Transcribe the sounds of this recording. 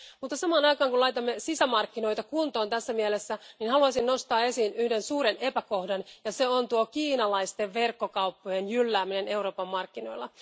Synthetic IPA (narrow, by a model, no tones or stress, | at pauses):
mut̪ːɑsɑmɑːnɑjkɑːŋkulɑjt̪ɑmːesisæmɑrkːino̞jt̪ɑkunt̪o̞ːnt̪æsːæmielesːæninhɑluɑsinno̞st̪ɑːe̞siːnyhde̞nsuːɾene̞pæko̞hdɑnjɑse̞ont̪uokiːnɑlɑist̪e̞ʋe̞rkːokɑupːojenjylːæːmine̞ne̞uɾo̞ːpɑmːɑrkːino̞̰jlːɑ